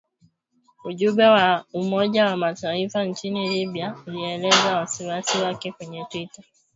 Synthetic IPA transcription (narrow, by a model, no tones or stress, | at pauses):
uʄubɛwaumɔʄawamataifaɲt͡ʃinilibiauliɛlɛzawasiwasiwakɛkwɛɲɛtwita